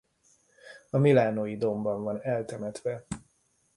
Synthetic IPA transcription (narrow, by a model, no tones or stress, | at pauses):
ɒmilaːnoːjid̪o̞mbɒɱvɒnɛlt̪ɛmɛt̪ʋɛ